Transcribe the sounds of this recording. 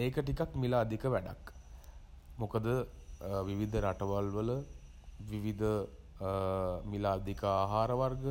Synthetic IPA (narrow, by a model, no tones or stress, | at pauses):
eːkəʈikakmilaːd̪ikəʋæɖa̰k | mokəd̪ə | ʋiʋid̪ʱəɾaʈəʋalʋələ | ʋiʋid̪ʱə | milaːd̪ikəaːɦaːɾəʋarɡə